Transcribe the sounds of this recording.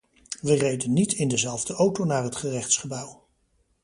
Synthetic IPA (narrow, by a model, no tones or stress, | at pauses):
ʋərejdənːitʰɪndəzɛlˠvdəowtownaːrɦətχərɛχtsχəbœw